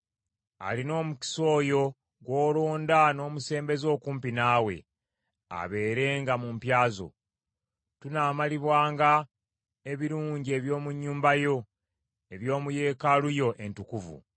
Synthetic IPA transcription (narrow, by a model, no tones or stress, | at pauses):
a̰lino̞ːmuci̥so̞ːjo̞ | ɡwo̞ːloːndano̞ːmuse̞ːmbe̞zo̞ːkuːmpinaːwe̞̰ | a̰βe̞ːɾe̞ːŋɡamumpjaːzo̞̰ | tunaːmaliβwaːŋɡa | e̞βiɾuːɲɟie̞βjo̞ːmuɲːuːmbajo̞ | e̞βjo̞ːmuje̞ːkalujo̞ʔe̞ntukuvṵ